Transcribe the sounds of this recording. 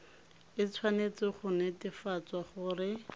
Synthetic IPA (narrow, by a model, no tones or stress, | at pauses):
ɪt͡sʰwanet͡sɪχʊnɛtɪfat͡swaχʊrɪ